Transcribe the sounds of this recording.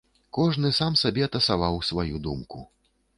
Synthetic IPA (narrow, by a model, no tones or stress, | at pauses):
kɔʐn̪ɨsamsabʲɛɐt̪ɐsavawsvajud̪umku